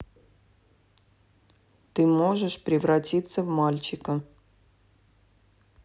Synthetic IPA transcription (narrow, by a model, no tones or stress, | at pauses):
t̪ɨmo̞ʐɨʂpɾʲɪvɾɐtʲit̪səvmalʲt͡ɕɪkə